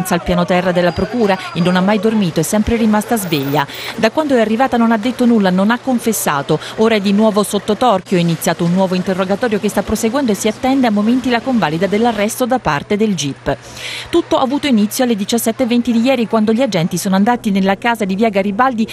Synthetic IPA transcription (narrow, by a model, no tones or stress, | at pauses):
nt̪salpjaːnot̪ɛrːad̪elːapɾokuːɾaenːonamːajd̪ormiːt̪oɛsːɛmpɾerimast̪azveʎːad̪akwand̪oɛarːivaːt̪anonad̪ːet̪ːonulːanonakːoɱfesːa̰ːt̪ooːɾaɛd̪inwɔːvosot̪ːot̪ɔrkjoainit̪sjaːt̪ounːwɔːvoint̪erːoɡat̪ɔːɾjokest̪apːɾoseɡwɛnd̪oesːiat̪ːɛnd̪eamːoment̪ilakoɱvaːlid̪ad̪elːarːɛst̪od̪apːart̪ed̪eld͡ʒipː | t̪ut̪ːoʔavːuːt̪oinit̪sjoalːed̪it͡ʃasːɛt̪ːevːent̪id̪ijɛːɾikwand̪oʎiad͡ʒɛnt̪isoːnoand̪aːt̪inelːakaːzad̪iviːaɡaɾibald̪i